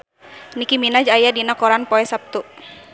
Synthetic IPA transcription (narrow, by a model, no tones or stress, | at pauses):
nikiminad͡ʒajadinakɔɾanpɔɛsap̚t̪uʔ